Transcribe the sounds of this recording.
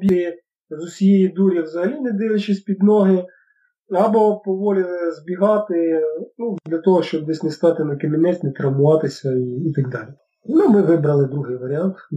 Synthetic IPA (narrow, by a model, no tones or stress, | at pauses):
bʲi | zʊsʲijejid̪uɾʲɐwzɐɦɐlʲinɛd̪ɪʋʲˠɪt͡ʃɪsʲpʲid̪nɔɦɪ | ɐbɔpɔʋɔlʲɪlˠɪzbʲiɦɑt̪ɪnud̪lʲɐt̪ɔɦɔʃt͡ʃɔbd̪ɛsʲnɛst̪ɑt̪ɪnɐkɪmʲɪmɛt͡sʲnɛt̪ɾɐmʊʋɑt̪ɪsʲɐiːt̪ɐɡ̚d̪ɑlʲi | numɪʋɪbɾɐlˠɪd̪ɾuɦɪjʋɐɾʲɪant̪